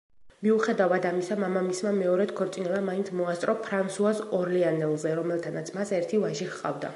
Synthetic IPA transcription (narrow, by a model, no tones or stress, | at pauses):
miuχɛd̪avad̪amisamamamismamɛɔɾɛd̪kʰɔɾt̪sʼinɛbamaint̪sʰmɔast̪ʼɾɔpʰɾansuasɔɾlɛanɛlˠzɛɾɔmɛlˠt̪ʰanat̪sʰmasɛɾt̪ʰivaʒiχqʼa̰vd̪a̰